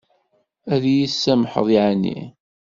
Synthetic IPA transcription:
æðjisːæmħə̰ðˤiʕnːḭ

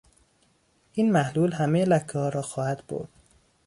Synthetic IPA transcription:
ʔiːnmæhluːlhæmejelækʰːɒhɒːɾɒːxɒːhæd̪̥bo̰ɾd̪̥̚

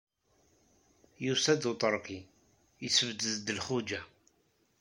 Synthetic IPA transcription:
jusæd̪ut̪ˤəɾˤqi | jəsəvd̪əzd̪əlχud͡ʒæ

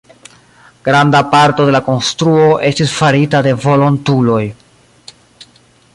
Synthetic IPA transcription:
ɡ̥ɾandapaɾto̞de̞lako̞nstɾuo̞ʔe̞stisfaɾitade̞vo̞lo̞ntulo̞j

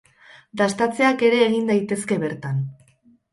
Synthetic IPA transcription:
d̪ast̪at͡se̞ake̞ɾe̞ːɣind̪ajt̪e̞ske̞βe̞ɾt̪an

